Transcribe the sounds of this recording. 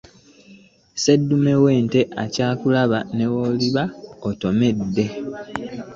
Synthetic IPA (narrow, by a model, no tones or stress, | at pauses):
se̞dːume̞we̞ːnte̞ʔacaːkulaβane̞woːliβaoto̞me̞dːe̞